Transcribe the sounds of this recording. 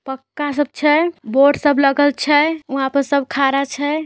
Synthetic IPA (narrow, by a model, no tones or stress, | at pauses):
pəkːasəb̚t͡ʃʰɛboɖsəbʱləɡəlt͡ʃʰɛuɦapənsəbʱkʰaɾat͡ʃʰɛ